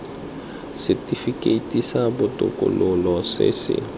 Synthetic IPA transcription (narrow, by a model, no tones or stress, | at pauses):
sɪtʼifikʼetʼisabʊtʼʊ̰kʼʊ̰lʊlɔsɪ̰sɪ̰